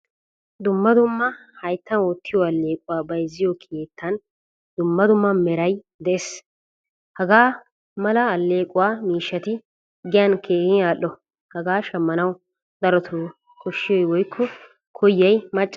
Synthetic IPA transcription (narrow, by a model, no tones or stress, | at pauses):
d̪ʊmːɐd̪ʊmːɐhɐjt̪ːɐnoːt̪ʰːɪjɔɐlːe̞ːkʼʊwaːbɐjzːɪjɔkʰeːt̪ʰːɐn | d̪ʊmːɐd̪ʊmːɐmɛɾɐj | d̪ɛʔes | hɐɡaː | mɐlɐɐlːeːkʼʊwaːmiːʃːɐt̪ɪ | ɡɪjɐnkʰeːhɪaːʔɔ | hɐɡaːʃɐmːɐnɐw | d̪ɐɾɔt̪ʰuː | kʰɔʃːɪjɔjwɔjkʰːɔ | kʰɔjːɐjmɐt͡ʃʼː